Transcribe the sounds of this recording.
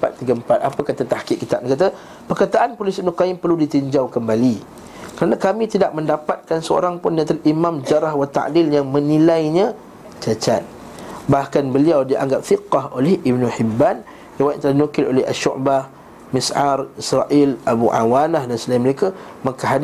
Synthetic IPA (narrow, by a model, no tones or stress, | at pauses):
pa̰t̪ːiɡəmpat̪̚apəkat̪at̪ahkɪʔ̚kit̪ap̚kat̪a | pərkat̪aʔanpɾolisib̚nəqajɪmpərludit̪iɲd͡ʒawkəmbali | kəɾanakamĩt̪idaʔ̚mə̃ndapat̪̚kansəo̰ɾaŋpʊndat̪alʔimãmd͡ʒaɾaɦwat̪a̰ʔdɪljaŋmə̃nilajɲã | t͡ʃat͡ʃat̪̚ | bahkanbəliawdiʔa̰ŋɡap̚fiqːɑɦolɛhʔibnuħibːan | rewajt̪ʔ̪t̪əlahdinukɪlʔo̰lɛha̰ʃʊ̰ʔba | misʔarisɾaʔɪlabuʔa̰wanahdansəlainməɾekamə̃ŋkəɦad